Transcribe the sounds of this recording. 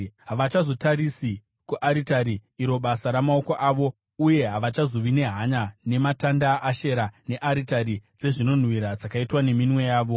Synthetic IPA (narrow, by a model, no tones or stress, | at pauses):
ɦaʋat͡ʃazo̞taɾisi | kuʔaɾitaɾiːɾo̞ɓasaɾamao̞ko̞ʔaʋo̞ | uje̞ɦaʋat͡ʃazo̞ʋine̞ɦaɲane̞matandaʔːʃe̞ɾane̞ʔaɾitaɾid͡ze̞ʐino̞n̤wiɾad͡zakaitwane̞minwe̞jaːʋo̞